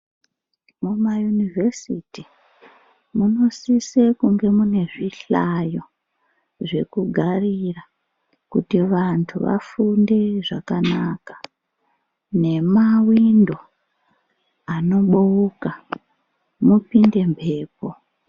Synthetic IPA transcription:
mumajunivʱesiti | muno̞sisekuŋɡe̞mune̞ʐiɬajo̞ | ʐe̞kuɡʱarira | kutiʋantʰuʋa̰funde̞ʐakanaːkḁ | ne̞mawindo̞ | ano̞ɓuuka | mupinde̞mpʰe̞ːpo̞

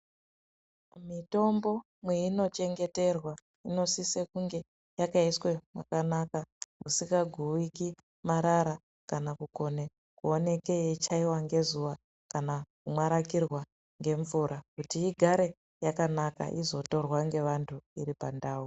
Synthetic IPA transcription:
mito̞mbo̞ | mwe̞ino̞t͡ʃe̞ŋɡe̞te̞rwa | ino̞sisekuŋɡe̞ | jakaiswe̞mwa̰kanakamusiŋɡaɡʱuwiki | maɾaɾa | kanakuko̞ne | kuone̞ke̞jet͡ʃaiwaŋɡe̞zuʋa | kanakumwaɾakirwa | ŋɡe̞ɱvuɾʔakutiiɡʱaɾe̞ | jakanaka̰ʔizo̞to̞rwaŋɡe̞ʋantʰuiɾipandaːu

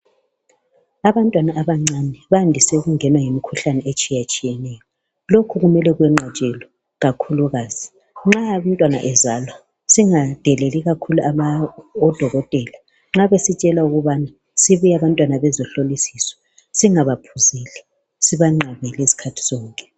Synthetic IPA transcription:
aβantʼwanaʔaβaŋ͡ǀanɛβandʱisɛɣuŋɛnwaŋemikʰuɬanɛet͡ʃʼijat͡ʃʼijɛnɛjɔ | lokʰuɣumɛlɛɣwɛŋ͡ǀʱat͡ʃʼɛlɔ | ɣakʰuluɣaːz̥i | ŋ͡ǁaantʼwana̰ʔɛzalwa | siŋad̥ʱɛlɛliɣakʰuluʔaβaɔd̥ʱɔɣɔtʼɛla | ŋ͡ǁaβesit͡ʃʼɛlauɣuβana | siβiaβantʼwanaβɛzɔɬolisisɔ̥ | siŋaβapʰuziːlɛ | siβaŋ͡ǁʱaβɛlesi̥kʰatʰi̥z̥ɔːŋkʼɛ̥

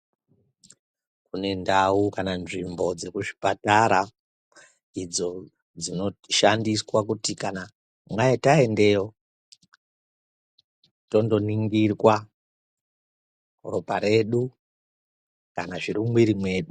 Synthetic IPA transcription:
kune̞ndaukananʐimbo̞d͡ze̞kuʐi̥pataɾa | id͡zo̞ | d͡zino̞ʃandiswakutikana | mwaetae̞nde̞o̞ | to̞ndo̞niŋɡirwa | ropaɾe̞ɗu | kanaʐiɾumwiɾimwe̞ːɗu

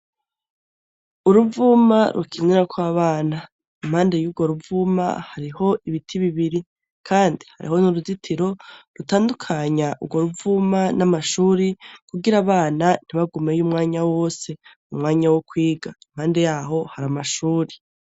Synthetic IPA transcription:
uɾuvumaɾʔukʰiɲeɾakwaːβaːna | im̥haːnde̞juːɡo̞ɾuvuma̰haɾiho̞iβitʰiβiβiɾi | kʰaːndiha̰ɾʔḭɦo̞nuɾuzitʰiɾo̞ɾutaːndukʰaɲaʔṵɡwo̞ɾuvumanamaʃuːɾikuɡiɾaːβaːnan̥iβaɡumejumŋaːɲawo̞se̞ | umŋaːɲawokwiːɡaim̥haːnde̞jaːɦo̞haɾamaʃuːɾe

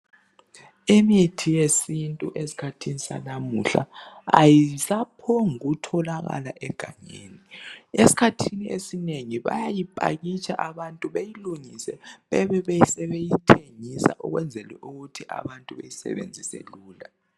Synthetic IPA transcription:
imitʰijesintʼuʔesi̥kʰatʰinisa̰namuɬa̰a̰jisapʰɔŋuɣutʰɔlaɣa̰laʔɛɡ̥ʱaŋeːniesi̥kʰatʰiniesineŋiβa̰jajipʼa̰ɣit͡ʃʼʰaʔaβantʼuβejiluŋisɛβɛβɛβesɛβejitʰeŋisa̰ʔɔɣwɛnd͡zʱɛlwɛʔuɣutʰiʔa̰βantʼuβḛjisɛ̰βḛnd͡zʱisɛ̰luːla

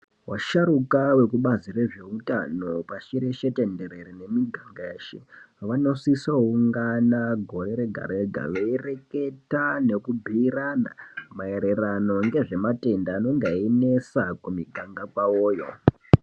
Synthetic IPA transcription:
waʃaɾukawe̞kuɓazire̞ʐe̞uta̰no̞paʃiɾeʃe̞te̞nde̞ɾe̞ɾine̞miɡʱaŋɡaeːʃḛ | ʋano̞sisouŋɡanaɡʱo̞ɾe̞ɾe̞ɡʱa̰ɾoeɡʱa̰ʋeire̞ke̞tane̞kubʱiːrana̰mae̞ɾe̞rano̞ŋɡe̞ʐe̞mate̞ndaːno̞ŋɡainesakumiɡʱaŋɡakwawoːjo̞̰

